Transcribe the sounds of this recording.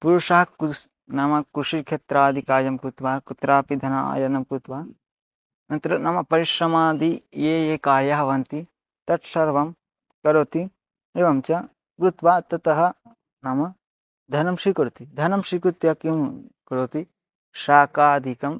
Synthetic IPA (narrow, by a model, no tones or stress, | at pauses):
puɾuʂɐɦɐku | nɐmɐkuʃiɾkʰet̪ɾaːd̪ʱikaːɾjɐmkɾut̪ʋaːkut̪ɾaːpid̪ʱɐnɐa̰ːjɐnɐmkɾut̪ʋaː | nɐnt̪ɾɐnɐmɐpɐɾiʃɾɐmaːd̪ijeːjeːkaːɾjaɦɐʋɐnt̪i | t̪ɐʈsɐɾʋɐm | kɐɾoːt̪i | eʋɐmt͡ʃɐ | kɾut̪ʋaːt̪ɐt̪ɐɦɐ | nɐmɐ | d̪ʱɐnɐmʃikɐɾut̪id̪ʱɐnɐmʃikɾut̪jɐkimkɐɾoːt̪i | ʃaːkaːd̪ʱikɐm